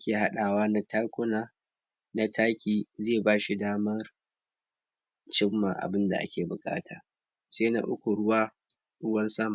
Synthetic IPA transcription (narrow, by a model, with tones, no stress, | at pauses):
kʲeː˨ɦa˦ɗaː˨waː˦na˦taː˦kʷʊ˦naː˨ | na˦tʰaː˦kʲiː˨zeː˦˨baː˦ʃi˨daː˦mɐ˦r | t͡ʃɪ˦mːa˨ʔa̰˨bɪ˦nda̰˨ʔa̰˦kʲeː˨bʊ˨kʼa̰ː˦tʰaː˨ | seː˦na̰˦ʔʊ˦kʷu˨ɽʊ˦waː˦ | ʔʊ˦wɐ˦nsɐ˦ma˨